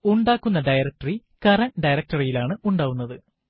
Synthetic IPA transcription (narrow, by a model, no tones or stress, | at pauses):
uɳɖaːkːunːɐɖɐjɾɐk̚ʈɐri | kɐrɐnɖɐjɾɐk̚ʈɐrijilaːɳɨuɳɖaːʋunːɐðɨ